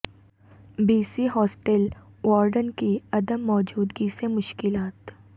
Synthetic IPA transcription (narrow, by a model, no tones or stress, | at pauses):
biːsiɦɔːsʈel | wɔːɾɖənkiɐd̪əmːɔːd͡ʒuːd̪ɡisemʊʃkɪlaːt̪